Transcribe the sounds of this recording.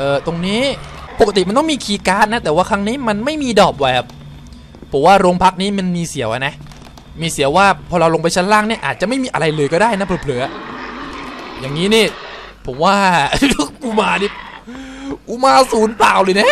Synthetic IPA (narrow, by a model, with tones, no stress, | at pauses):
ʔɤː˧˩t̪o˧ŋniː˦˥po˨ka˧t̪i˨˩m˧nt̪ɔ˥˨miː˧kʰiː˧kaː˦˥t̪̚na˦˥t̪ɛː˨˩waː˥˩kʰa˦˥ŋniː˦˥ma˧nma˥˩jmiː˧dɔː˨˩p̚wa˨˩jkʰa˦˥˩pʰː | o˩˦mwaː˥˩ɾoː˧ŋpʰa˦˥k̚niː˦˥ma˧nmiː˧si˩˦əwʔa˧na˦˥ | miː˧si˩˦əwaː˥˩pʰɔː˧ɾa˧wlo˧ŋp̬a˧jt͡ɕʰa˦˥˩nlaː˥˩ŋni˥˩ɐʔaː˨˩t̪̚t͡ɕa˨ʔma˥˩jmiː˧ʔa˧ɾa˧jlɤː˧jkɔː˥˩daː˥˩jna˦˥p̚ʰːpʰlɤː˩˦ | ja˨˩ŋːiː˦˥niː˥˩ | pʰo˩˦mwaː˥˩ | uː˧˩maː˧niː˥˩ | ʔu˧maː˧suː˩˦npaː˨˩wlɤː˧jna˥˩˨